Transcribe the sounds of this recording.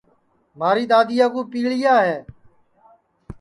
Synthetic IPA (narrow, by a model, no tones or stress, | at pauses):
maːɾiːd̪aːd̪ɪjaːk̬uːpiːɭɪjaːɦeː